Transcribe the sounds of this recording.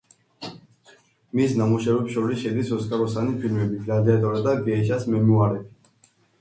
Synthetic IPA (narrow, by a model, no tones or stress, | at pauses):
misnamuʃɛvɛpʃɔɾisʃɛd̪isɔskʼaɾɔsanipʰilmɛbiɾalɛat̪ʼɔɾad̪aɡ̪ɛʃasmɛmuaɾɛ